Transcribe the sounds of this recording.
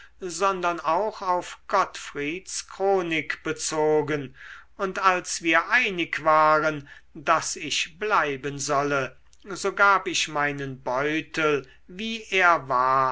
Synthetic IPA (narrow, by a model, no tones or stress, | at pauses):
zɔndɐnaʊxaʊfɡ̥ɔtfʁiːtskʁ̥oːnɪkb̥ət͡soːɡənʔʊntalsv̥iːɐʔaɪnɪkv̥aːʁəndasɪʃblaɪbənzɔlə | zoːɡaːpɪʃmaɪnənbɔʏtʰəl | viːʔeːɐvaːɐ